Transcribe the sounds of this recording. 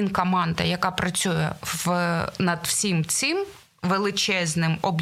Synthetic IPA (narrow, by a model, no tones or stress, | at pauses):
inkɔmɑnd̪ɐjɐkɑpɾɐt͡sʲujɛ̰ʋnɐd̪wsʲimt͡sʲɪm | ʋelˠɪt͡ʃɛznɪmɔb